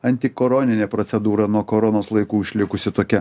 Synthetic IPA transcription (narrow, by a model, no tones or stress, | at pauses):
ɐnʲt̪ʲɪkoːɾoːnʲɪnʲeːpɾot̪sʲɛd̪uːɾɐnuɔkoːɾonoːslˠɐɪkuːɪʃʲlʲɪkʊsʲɪt̪oːkʲɛ